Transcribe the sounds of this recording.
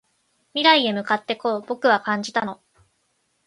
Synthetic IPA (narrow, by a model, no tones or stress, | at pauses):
mʲiɾaie̞mɯ̟kat̪ːe̞ko̞ːbo̞kɯ̟β̞akãɲ̟d͡ʑit̪ano̞